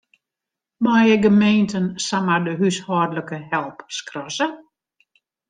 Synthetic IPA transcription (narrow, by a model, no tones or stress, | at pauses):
majəɡəmeːntənsamardəɦyshɔːrdləkəhɛlˠpskrɔsə